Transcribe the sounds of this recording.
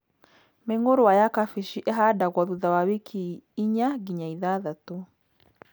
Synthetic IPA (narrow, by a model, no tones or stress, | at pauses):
meŋoɾowajakafiʃiʔeɦadaɣwɔðuðawawekʰiiɲaɡiɲaiðaðato